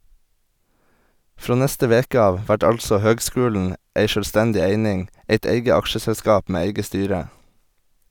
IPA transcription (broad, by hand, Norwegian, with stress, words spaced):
ˈfɾoː ˈnɛstə ˈʋeːkə ˈɑːʋ ˈʋæʈ ˈɑlsɔ ˈhøːɡˌskʉːln̩ ˈeɪ ʃœlˈstɛndɪ ˈeɪnɪŋ ˈeɪt ˈeɪɡə ˈɑkʃəsɛlˌskɑːp ˈmeː ˈæɪɡə ˈstyːɾə